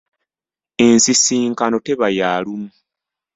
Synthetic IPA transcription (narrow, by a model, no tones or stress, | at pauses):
ensisiːŋkano̞te̞βajaːlumu